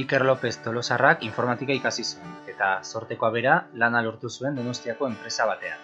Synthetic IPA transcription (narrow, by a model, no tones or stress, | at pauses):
ike̞ɾlo̞pe̞st̪o̞lo̞sarakiɱfo̞ɾmat̪ikaikasisuene̞t̪aso̞ɾt̪e̞ko̞aβ̞e̞ɾalanaloɾt̪usue̞nd̪o̞no̞st̪iako̞e̞mpɾe̞saβ̞at̪e̞a̰n